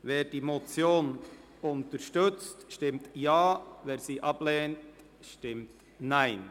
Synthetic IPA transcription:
veːɾdiːmot͡sjoːn | ʊntəɾʃtʏt͡stʃtɪmtjaːveːɾziːʔɑb̥leːnt | ʃtɪmt | naɪn

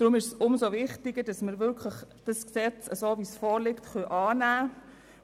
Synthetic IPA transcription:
d̥ɾʊmɪʃsʊmsoʋɪχtiɡ̥əd̥ɑsməɾʋʏɾkʰləχd̥ɑsksɛt͡səsoːvisfoːɾlɪktχœʔɑːnæː

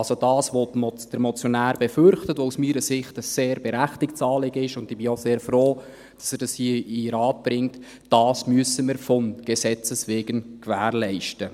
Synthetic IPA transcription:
lsod̥ɑːsʋomd̥əɾmɔt͡sjonæːɾbɛfʏɾχtətʋousmiːɾəsɪχtəseːɾb̥ɛɾæχtɪktt͡sɑːlɪɡ̥əɪʃʊndɪb̥ɪoseːɾfroː | d̥ɑsɛɾd̥ɑshiəiɾɑːt̚b̥ɾɪŋt | d̥ɑːsmyəsəməɾfɔmɡ̥esɛt͡səsʋeːɡ̥ənkvæːɾlɛɪʃtə

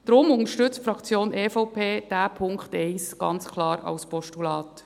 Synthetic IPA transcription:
d̥ɾʊmʊŋəʃtʏt͡stfɾɑkt͡sjoːnʔeːfɔʊpʰeːd̥æːpʰʊŋkχtɛɪsɡ̥ɑ̰nt͡skʰlɑːɾɑ̰wspɔʃtulɑːt

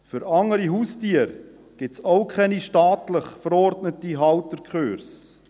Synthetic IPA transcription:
fyɾɑŋəɾiɦuːstiəɾ | ɡ̥ɪsaʊkʰɛniʃtɑːt̪ləχfəɾɔɾdnətiɦɑwtəɾkχøːɾs

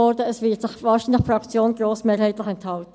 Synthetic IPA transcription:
ɔɾdəəsʋɪtsɪχʋɑːʃinlɪxfrɑkt͡sjoːnɡɾoːsmeːɾhæɪt̪lɪχɛnthɑltə

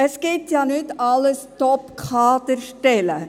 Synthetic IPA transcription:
əsɡ̥ɪtjɑːnʏtɑləstɔpkʰɑːd̪əɾʃtɛlə

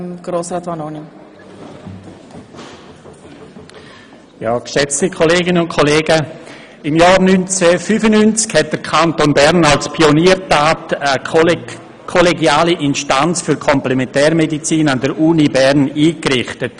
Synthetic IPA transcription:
ɡ̥ɾoːsɾaːtʋanono | jaːkʃɛt͡stikʰoleːɡɪnəʊnt̚kʰoleːɡə | ɪmjaːɾnynt͡sɛfyːfənynt͡skhɛt̚d̥əɾkʰantonbɛɾnalspʰioniːəɾtaːtə | kʰoleɡiaːliʔɪnʃtant͡sfyɾkʰɔmplɛmɛntɛːɾmedit͡siːnandəɾuːnibɛɾniːkrɪχtət

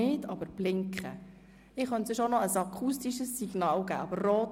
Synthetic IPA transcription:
ɪːdɑbəɾb̥lɪŋkχə̰ | ɪχœntsʏʃonɔəsɑkʰustiʃəsːiɡ̥nɑːlɡæ̰ːɑbəɾroːt

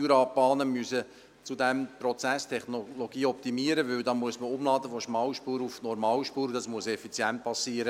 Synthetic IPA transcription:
yɾɑb̥ɑːnəmyəsə | t͡sud̪ɛmprɔt͡sæst̪ʰɛχnoloɡiːɔp̚t̪imiəɾəʋʏwd̪ɑːmuəsməʊmlɑːd̪əfɔʃmɑwʃpuːɾufnɔɾmɑːwʃpuːɾd̪ɑsmuəsɛfit͡sjænt̪̚pɑsiːəɾə

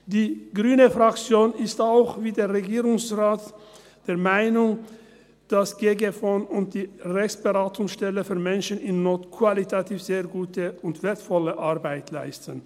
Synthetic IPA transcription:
d̥iːɡ̥ʁyːnəfʁakt͡sjoːnɪstaʊxviːdeːɐʁeɡiːʁʊŋsʁaːt | d̥eːɐʁmaɪnʊŋ | d̥asɡ̥eːɡefonʊnt̚d̥iːʁɛçt͡ssb̥əʁaːtʊŋsʃtɛləfyːɐmɛnʃənɪnnoːtkʰv̥alitʰatʰiːfz̥eːɐɡuːtəʊntv̥eːɐtfɔləʔaʁbaɪtʰlaɪstən

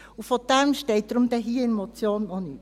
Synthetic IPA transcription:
ufod̪̥ɛmʃtɛɪt̚d̪̥ɾʊmd̥̪ɛɦiːɪnmot͡sjoːnːɔnyːt

